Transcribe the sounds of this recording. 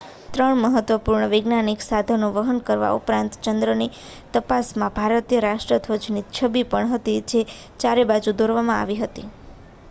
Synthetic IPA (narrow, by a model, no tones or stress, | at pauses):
t̪ɾəɳməɦət̪ʋəpuɾɳəʋɪɡnaniksad̪ʱənũʋəɦənkəɾʋa̰ṵpɾãnt̪t͡ʃənd̪ɾəni | t̪əpasmãbʱaɾət̪ijəɾaʃʈɾət̪ʰʋət͡ʃnit͡ʃʰəbipəɳɦət̪id͡ʒe | t͡ʃaɾebad͡ʒud̪ʱoɾʋamãa̰ʋiɦət̪i